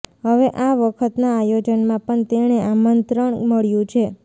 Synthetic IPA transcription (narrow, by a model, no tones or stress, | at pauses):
ɦəʋeʔaʋəkʰət̪naːjod͡ʒənmãpəɳt̪eñeʔamənt̪ɾəɳ̃məɭjũt͡ʃʰe